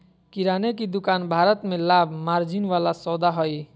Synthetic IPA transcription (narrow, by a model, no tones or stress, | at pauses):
kiɾaːnekid̪ʊkaːnbʱaːɾət̪mẽlaːbʱmaːɾd͡ʒinʋalasɔd̪aɦɔi